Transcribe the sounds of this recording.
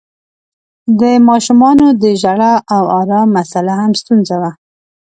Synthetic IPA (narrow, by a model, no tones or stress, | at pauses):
d̪əmɑʃumɑnod̪əʒaɽaʔawaɾɑmasalahamst̪unzawa